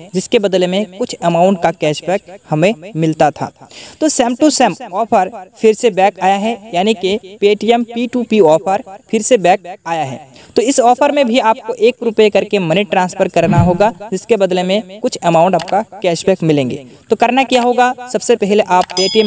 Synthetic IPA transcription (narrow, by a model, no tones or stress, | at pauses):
d͡ʒɪskebɐd̪lemẽkʊt͡ʃʰɛmaːʊ̃ɳʈ̚kakɛːʃbɛːk̚hɐmẽmɪlt̪at̪ʰa̰ːt̪oːsɛːmʈusɛːmɔːpʰəɾfʰɪɾsebɛːkaːjaɦɛjaːnikepeːʈijɛmpiːʈuːpiɔːpʰəɾpʰɪɾsebɛːk̚aːjaɦɛ̰ː | t̪oɪsɔːpʰəɾmẽbʱiaːp̚koʔeːkɾʊpjekɐɾkemɐniʈɾãːnspʰəɾkɐɾnaɦoːɡad͡ʒɪskebɐd̪lemẽkʊt͡ʃʰɛmaːʊ̃ɳʈaːp̚kakɛːʃbɛːkmɪlẽːŋɡḛːt̪oːkɐɾnakijaɦoːɡasɐbsepɛɦleʔaːpːeːʈijə